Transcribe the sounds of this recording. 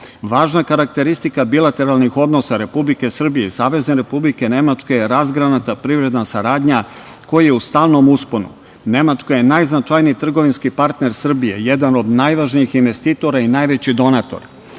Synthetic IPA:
ʋaːʒnakaɾak̚t̪e̞ɾist̪ikabilˠat̪e̞ɾalˠnixo̞d̪no̞saɾe̞publike̞sr̩bijeisaːʋe̞zne̞ɾe̞publike̞ne̞mat͡ʃkejeɾazɡɾanat̪apɾiʋɾe̞d̪nasaɾaːd̪ɲa | ko̞jajeust̪aːlno̞musponṵ | ne̞mat͡ʃkaje̞najznat͡ʃajniit̪r̩ɡo̞ʋinskipaɾt̪ne̞ɾsr̩bije̞jed̪ano̞d̪najʋaːʒniixinʋe̞st̪it̪o̞ɾainaːjʋe̞t͡ɕid̪o̞nat̪o̞̰ɾa

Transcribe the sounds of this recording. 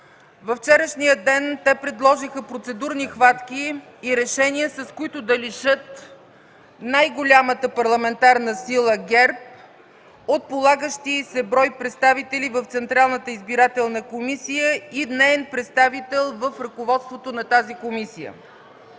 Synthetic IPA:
vɐft͡ʃɛɾəʃnijəd̪ɛnt̪ɛpɾɛd̪lˠɔʒixəpɾot̪sɛd̪uɾnixvat̪k̟iː | ɾɛʃɛniəsɐskoit̪ʊd̪ɐliʃɤt̪ | najɡolʲamət̪əpɐɾlˠɐmɛnt̪aɾnəsilˠəɡʲɛɾp̚ | ot̪̚polˠaɡəʃt̪isɛbɾɔjpɾɛt̪st̪avit̪ɛlivəft̪sɛnt̪ɾalˠnət̪əizbiɾat̪ɛlˠnəkomisijəid̪nɛɛnpɾɛt̪st̪avit̪ɛlˠvəfɾɐkovɔt̪st̪vot̪onɐt̪azikomisijə̰

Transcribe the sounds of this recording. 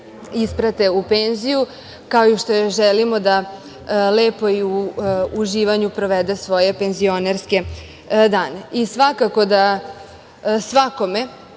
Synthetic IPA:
ispɾat̪e̞upenziju | kaojiʃt̪o̞jeʒɛlimo̞d̪a | leːpo̞iuːʒiːʋaɲupɾoʋed̪e̞sʋo̞je̞penzio̞neɾske̞ | d̪aːne̞isʋakako̞d̪a | sʋako̞me̞

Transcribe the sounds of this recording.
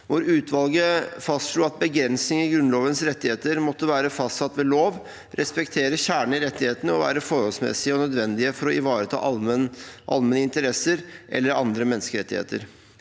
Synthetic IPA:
ʋʊɾʉːt̪ʰʋɑlɡəfɑst̪ʂɭuːɑt̪̚bəɡɾɛnsnɪŋəɡɾʉnloːʋənsɾɛt̪ːɪheːt̪əɾmɔt̪ːəʋæːɾəfɑst̪sɑt̪ːʋɛːloːʋ | ɾʔɛspɛkt̪ʰeːɾəçæːɳɳ̩ɪɾɛt̪ːɪheːt̪ənəɔʋæ̰ːɾəfɔɾhɔlsmɛ̰sɪəɔnœd̪ʋɛnd̪ɪəfɔɾɔɪʋɑːɾət̪ʰɑ̰ː | ʔɑ̰lmənəɪnt̪əɾɛsəɾʔɛ̰lːəɾɑ̰nd̪ɾəmɛnːskəɾɛt̪ːɪhḛːt̪ə̰ɾ

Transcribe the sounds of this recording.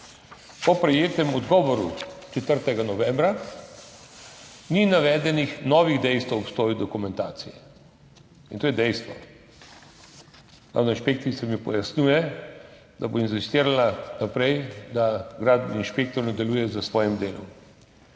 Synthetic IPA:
pɔpɾɛjeːt̪ɛmɔd̪ɡɔːʋɔɾṵt͡ʃɛt̪əɾt̪ɛɡanɔʋɛ̃mbɾa | ninaʋɛːd̪ɛnixnɔʋiɣd̪ɛjst̪ʋɛɔpst̪ɔːjud̪ɔkumɛnt̪aːt̪sijɛ | int̪oːjɛd̪ɛjst̪ʋɔ | ɾa̰wnainʃpekt̪isɛmipɔ̰jasnʲjuːjɛ | d̪aboinsist̪iːɾalanapɾɛjd̪aɡɾaːd̪bninʃpek̚t̪ɔɾnɔd̪ɛluːjɛzəsʋɔːjimd̪eːlɔm

